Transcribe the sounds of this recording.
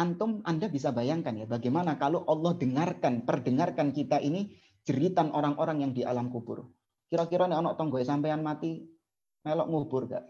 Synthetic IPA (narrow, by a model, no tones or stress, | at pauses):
ant̪ʊmandabis̬abajaŋkanjabaɡamanakaloʔɑlˠːɔhd̥əŋarkanpərdəŋarkankit̪aʔini | d͡ʒ̥əɾit̪anʔoɾaŋʔoɾaŋjaŋdia̰lamkub̥ʊ̰r | kiɾɔkiɾɔnɪɔnɔʔt̪ɔŋɡɔesampejanmat̪i | melɔ̰ʔŋub̥ʊrɡa̰ʔ